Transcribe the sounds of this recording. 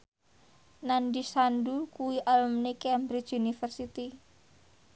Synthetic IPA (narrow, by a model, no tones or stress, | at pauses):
nandisandukuwiʔalmnekɛmbɾit͡ʃunifərsit̪i